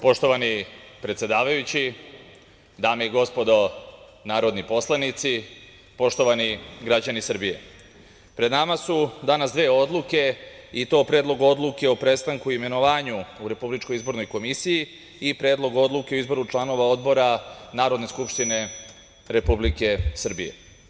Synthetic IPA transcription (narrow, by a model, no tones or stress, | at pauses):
po̞ʃt̪o̞ʋanipɾe̞t̪sʲje̞d̪aːʋajut͡ɕi | d̪aːmeiɡo̞spo̞d̪o | naːɾo̞d̪nipo̞slˠanit̪si | po̞ʃt̪o̞ʋaniɡɾad͡ʑanisr̩bije̞ | pɾed̪namasud̪anasd̪ʋeːo̞d̪lˠuke̞it̪o̞ːpɾe̞ːd̪lo̞ɡo̞d̪lˠuke̞opɾe̞st̪aŋkuiime̞no̞ʋaːɲuuɾe̞publit͡ʃko̞jizbo̞ɾno̞jkomisiji | ipɾe̞ːd̪lo̞ɡo̞d̪lˠuke̞oizbo̞ɾut͡ʃlˠano̞ʋao̞d̪bo̞ɾanaːɾo̞d̪ne̞skupʃt̪ine̞ | ɾe̞publike̞sr̩bije̞̰